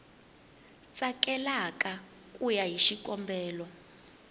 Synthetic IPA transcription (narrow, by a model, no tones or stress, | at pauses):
t͡sʼakɛlakʼa | kʼujaɦiʃikʼɔmbɛːlɔ